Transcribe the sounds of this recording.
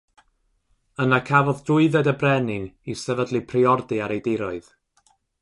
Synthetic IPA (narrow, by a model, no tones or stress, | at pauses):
ənakʰavɔðdʊɨðɛdəbrɛnɪnisɛvədlˠɨpʰriɔrdɨaɾejdɪɾɔɨð̥